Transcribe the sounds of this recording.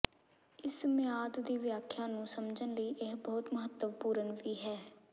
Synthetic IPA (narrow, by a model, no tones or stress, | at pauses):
ɪsmɪjaːd̪d̪iːʋɪjaːkʰːjãːnũːsəmd͡ʒənləiːʔɪɦbɔːt̪məɦət̪ːəʋpuːɾənʋiːɦɛː